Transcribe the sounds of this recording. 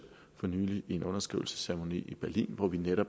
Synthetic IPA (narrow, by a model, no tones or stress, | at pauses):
fɒnyːlie̝nɔ̽nɐsɡ̥ʁiʊl̩sə̥sæɐmo̝nḭːib̥æɐlḭːnʋɒʋineɾ̥ɒ̽b̥